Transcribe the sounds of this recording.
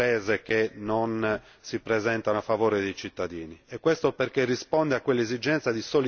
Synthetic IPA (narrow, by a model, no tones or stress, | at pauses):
ɛːzekenon | sipɾezɛnt̪anoafːavoːɾed̪ejt͡ʃit̪ːad̪iːniɛkːwest̪operkerːispɔnd̪eakːwelːezid͡ʒɛnt̪sad̪isoli